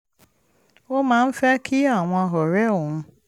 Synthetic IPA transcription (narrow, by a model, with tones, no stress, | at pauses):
wo˦mã˨˦m̩˦fa˦kʰi˦a˨w̃ʷɔ̃˨˦a˨ɦɔ˨ɾɛ˦wɔ̃˨m˦